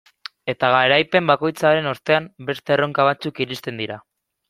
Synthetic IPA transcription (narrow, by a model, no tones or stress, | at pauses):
e̞t̪aɣaeɾajpe̞mbako̞jt͡saɾe̞noɾt̪e̞ambe̞st̪e̞ro̞ŋkaβ̞at͡sukiɾist̪e̞nd̪iɾa